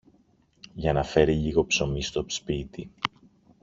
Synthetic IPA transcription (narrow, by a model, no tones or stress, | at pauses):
ʝɐnɐfe̞ɾiʎiɣo̞pso̞mist̪o̞spit̪i